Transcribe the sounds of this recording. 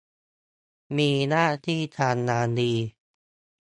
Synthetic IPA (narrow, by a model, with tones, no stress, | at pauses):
miː˧naː˥˩t̪ʰiː˥˩t̪ʰaː˧nːaː˨˧˦diː˧